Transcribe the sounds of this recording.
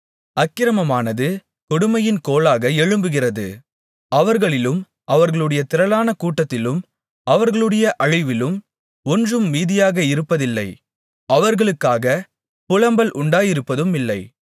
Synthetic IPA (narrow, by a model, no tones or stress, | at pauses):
ɐkːɪɾɐmɐmaːnɐðɯ | kɔɽʊmɐjɪnkoːlaːɣɐɛɻɯmbɯɣɪrɐðɯ̰ | ɐʋɐɾɣɐɭɪlɯm | ɐʋɐɾɣɐɭɯɽɐjɐt̪ɪɾɐlaːnɐkuːʈːɐt̪ːɪlɯm | ɐʋɐɾɣɐɭɯɽɐjɐʔɐɻɪʋɪlɯm | ɔndrɯmːiːðɪjaːɣɐɪɾɯpːɐðɪlːɐɪ | ɐʋɐɾɣɐɭɯkːaːɣɐ | pʊlɐmbɐlʔʊɳɖaːjɪɾɯpːɐðɯmɪlːɐɪ